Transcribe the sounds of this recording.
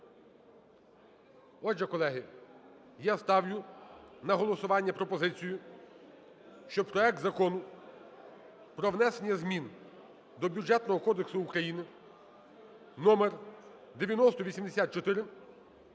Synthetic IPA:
ɔʒɛkɔlˠɛɦɪ | jast̪ɑwlʲʊnɐɦɔlˠɔsʊʋɑnʲːɐpɾɔpɔzɪt͡sʲijʊ | ʃt͡ʃɔpɾɔɛk̚t̪zɐkɔnʊ | pɾɔʋnɛsenʲjɐzmʲin | d̪ɔbʲjud͡ʒɛt̪nɔɦɔkɔd̪eksʊːkɾɐjinɪ | nɔmer | d̪eʋʲjɐnɔst̪ɔʋʲisʲimd̪esʲat̪̚t͡ʃɔt̪ɪɾɪ

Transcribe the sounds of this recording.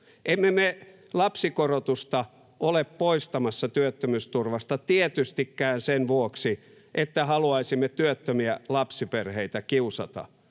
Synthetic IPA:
ʔemːeme | lɑpsikorot̪ust̪ɑ | ʔoleppoist̪ɑmɑsːɑt̪yøt̪ːømyst̪urʋɑst̪ɑt̪iet̪yst̪ikːæːnsenʋuoksi | ʔet̪ːæhɑluɑisimːet̪yøt̪ːømiælɑpsiperheit̪ækiusɑt̪ɑ̰

